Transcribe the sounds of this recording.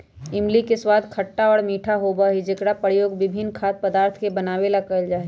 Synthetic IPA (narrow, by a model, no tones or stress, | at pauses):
ɪmlikeswaːd̪kʰəʈːaɔːɾmiːʈʰaɦobaɦid͡ʒekɽapəɾjoːɡʋɪbʱɪnːkʰaːt̪̚pəd̪aːɾt̪ʰkebɐnaːwelakəld͡ʒaːe